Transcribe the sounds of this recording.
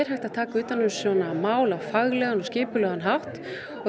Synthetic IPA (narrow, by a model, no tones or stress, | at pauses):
ɾ̥hajht̪að̥t̪ʰaːkaʏːt̪anːʏmsɔnamaːwlafaɣlɛɣanɔscɪːpʏlœːɣanɦawht̪ | ɔ